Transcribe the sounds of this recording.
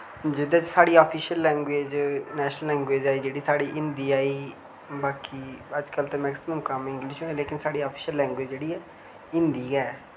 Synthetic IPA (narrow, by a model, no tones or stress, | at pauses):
d͡ʒɪd̪ãːt͡ʃsaːɽiːaːpʰiːʃəlːɛ̃ːŋɡweːd͡ʒnɛːʃnəllɛ̃ːŋɡweːd͡ʒaːiːd͡ʒeːɽiːsaːɽiːʔɪ̃nd̪iːaːiː | baːkiːəd͡ʒkəlt̪eːmɛːksɪməmkəmɪ̃ŋɡlɪʃɦõːeleːkɪnsaːɽiːaːpʰi̥ːʃəlːɛ̃ːŋɡweːd͡ʒd͡ʒeːɽiːɛː | ɪ̃nd̪iːɡɛː